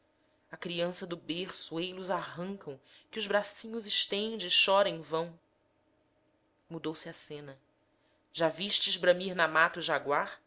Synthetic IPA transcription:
ɐkɾiɐ̃sɐd̪ʊbeχsuejluzaɦɐ̃ŋkɐ̃w̃kɪʊzbɾasĩɲʊzɪʃt̪ẽnd͡ʒɪːʃɔɾɐẽj̃vɐ̃w̃ | mud̪owsɪɐsẽnɐ | ʒaviʃt͡ʃɪʒbɾɐ̃miɾnamat̪ɐuʒaɡwaχ

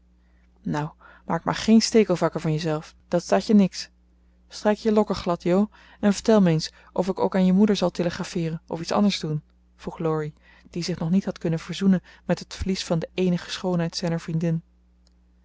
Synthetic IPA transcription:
naw | ma̰ːɹkma̰ːɹχejnstejkəlˠvɑkəɹvɑnjəzɛlˠfd̥ɑtstaːcənɪks | strejkjəlɔkəɹχlɑtjow | ɛnvəɹtɛlˠmens | ʔɔfɪko̰wkaːnjəmudəɹzɑlˠteləχrafɪːrənʔɔ̰fitsɑ̰ndəɹzdun | v̥ruχlɔɹi | d̥izɪχnɔχnitɦɑtkɵnənv̥əɹzunənmɛtɦətflisfɑndəʔejnəχə̥sχownɦɛjtsɛjnəɹv̥rindɪn

